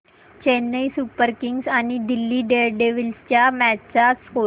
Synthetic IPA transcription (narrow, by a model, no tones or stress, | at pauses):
t͡ɕenəjsupəɾkiŋɡsañid̪ilːiːɖeɾɖeʋilst͡ɕjamæt͡sasko